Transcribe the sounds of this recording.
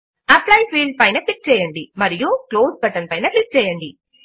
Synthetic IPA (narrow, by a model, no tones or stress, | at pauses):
ɐplɐjpʰiːlɖ̚pɐjnɐklik̚t͡ʃɛːjɐɳɖimɐɾijukloːsbɐʈɐnpɐjnɐklik̚t͡ʃɛːjɐɳɖi